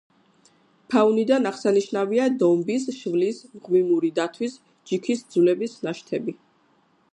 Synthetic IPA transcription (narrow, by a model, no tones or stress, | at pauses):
pʰaunid̪anaʁsaniʃnaviad̪ɔmbisʃvlismʁmimuɾid̪at̪ʰwis | d͡ʒikʰisd̪zvlɛbisnaʃt̪ʰɛbi